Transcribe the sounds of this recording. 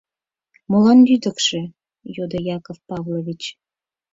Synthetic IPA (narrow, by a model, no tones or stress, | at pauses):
molɑnlyd̪ə̆kʃĕ | jod̪ojɑkofpɑvlovʲit͡ɕ